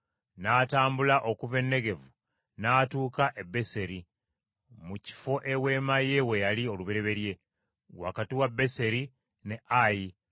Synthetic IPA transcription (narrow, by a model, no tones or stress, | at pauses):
naːtaːmbulaʔo̞kuve̞nːe̞ɡe̞vu | naːtuːkaʔe̞bːe̞se̞ɾi | muci̥fo̞ʔe̞we̞maje̞we̞jalio̞luβeɾe̞βe̞ɾje̞ | wa̰katiwabːe̞se̞ɾi | ne̞aji